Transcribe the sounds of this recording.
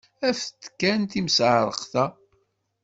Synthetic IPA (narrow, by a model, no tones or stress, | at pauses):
æft̪ːə̥kːænt̪imsʕɾˤə̰qθæ